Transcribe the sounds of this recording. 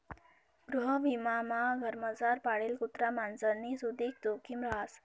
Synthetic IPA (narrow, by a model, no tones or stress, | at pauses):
ɡɾuɦəʋimamaɡʱəɾməd͡zaɾpaɽelkut̪ɾamand͡zənisud̪ʱik̚d̪okimɾəɦas